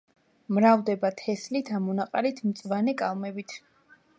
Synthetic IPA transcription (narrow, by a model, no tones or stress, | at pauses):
mɾavd̪ɛbat̪ʰɛslit̪ʰamɔnaqʼaɾit̪ʰmt̪sʼvanɛkʼalˠmɛbit̪ʰ